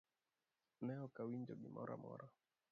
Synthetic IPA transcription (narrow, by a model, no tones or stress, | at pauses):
nɛɔkawiɲd͡ʒɔɓimɔɾʔa̰mɔ̰ɾa